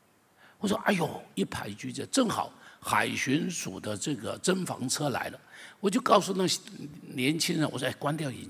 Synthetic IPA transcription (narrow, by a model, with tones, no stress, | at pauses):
wɔ˨˩ʂwɔ˥ʔa̰˥˩ɪjo˨˩ʊi˥˩pʰa̰˧˥ɪt͡ɕy˥t͡ɕə˥˧ʈ͡ʂɤ˥˩ŋxɑ̰˨˩˦ʊxa̰˨˩ɪɕy˧˥nʂṵ˨˩d̪ə˦ʈ͡ʂɤ˥˩ɡə̰˩ʈ͡ʂə˥nfɑ̰˧˥ŋt͡sʰɤ˥la̰˧˥ɪlə˧wɔ˨˩t͡ɕjo˥˧ʊkɑ˥˧ʊsu˥˧na˥˩ɕnjɛ˧˥nt͡ɕʰi˥ŋɻə˧˥nwʂwɔ˥˧a˥˩ɪkwa˥nt̪jʊḭ˧˥